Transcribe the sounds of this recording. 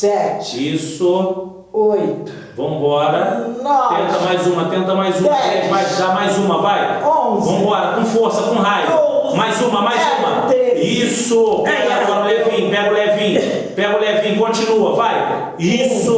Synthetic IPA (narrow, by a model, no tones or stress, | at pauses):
sɛt͡ʃisʊ | ojt̪ | vɐ̃m̃bɔɾɐnɔẽnt̪ɐmajzũmɐt̪ẽnt̪ɐmajzũmɛ̃majzd̪amajzũmɐvajõzɐ̃m̃bɔɾɐkõfoɾsɐkõɦajʊomajzũmɐmajzũmɐd̪eisʊɛaɔ̃ɾʊlɛvĩpɛɡʊlɛvĩ | pɛɡʊlɛvĩkõt͡ʃĩnuɐvaj | isʊ